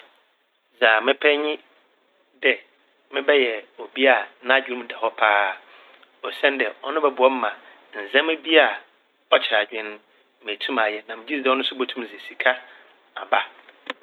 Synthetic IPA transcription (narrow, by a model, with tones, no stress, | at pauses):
zaː˨mɪ̃˦pʰɛ˦ɲɪ̃˦ | dɛ˨ | mɪ̃˦bɛ˦jɛ˨o˨bi˦a˨nã˦˨d͡ʑᶣi˦ɾũ˦m˦˨dɛ˨hɔ˦pʰaː˦ | ɔ˨sɛ̃˦ndɛ˨ɔ˦nʊ̃˦bɛ˦bʊ˨ɔ˦m̩˦mã˨ | n̩˨zɛ̃˦mæ˦bi˦a˦˨ | ɔ˦t͡ɕʰɪ˨ɾa˨d͡ʑᶣɪ̃˦n˦ | m˨e˨tʰũ˦ma˨jɛ˨nã˨mɪ̃˨d͡ʑi˦si˦dɛ˨˦ɔ˦nʊ̃˦sʊ˦bo˨tʰũ˦m˨ze˨si˨kʰa˦ | a̰˨ba˦